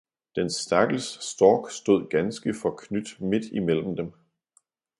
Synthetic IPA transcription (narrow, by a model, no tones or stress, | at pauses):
d̥ensd̥æɐɡ̥l̩ssd̥ɒːɡ̥sd̥o̝ð̞̰ˠɡ̥ænsɡ̥əfɒ̽kʰnyd̥me̝d̥imel̰m̩d̥em